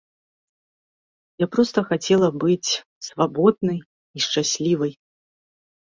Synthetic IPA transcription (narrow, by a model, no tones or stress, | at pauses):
japɾɔst̪ɐxat͡sʲɛlˠɐbɨt͡sʲ | svabɔd̪̚nɨj | iʂt͡ʂasʲlʲivɨj